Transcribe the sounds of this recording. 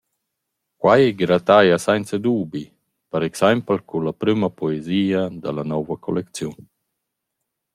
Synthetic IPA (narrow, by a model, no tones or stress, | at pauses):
kwajɛɡɾat̪ajasajnt͡səd̪uːbi | paɾɛksampəlkulapɾymapɔeziːad̪alanɔvɐkʰo̰lekt͡sjun